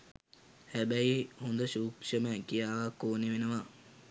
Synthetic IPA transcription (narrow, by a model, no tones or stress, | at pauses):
hæbæihund̪əʃuːkʃəməkijaːʋakoːneʋenəʋa